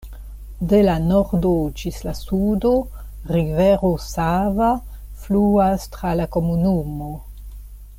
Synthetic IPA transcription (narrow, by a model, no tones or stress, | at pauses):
de̞lanoɾdod͡ʒislasudo̞ | ɾiveɾosava | fluastɾalako̞munumo̞